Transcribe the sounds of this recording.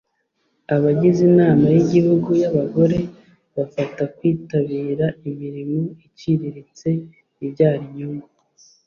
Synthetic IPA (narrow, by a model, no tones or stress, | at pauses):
aβaɟizinaːmajiɟihuɡujaβaɡo̞ɾe̞ | βafatakwiːtaβiːɾaimiɾimuiciɾiɾit͡se̞ | iβɟaːɾiɲuma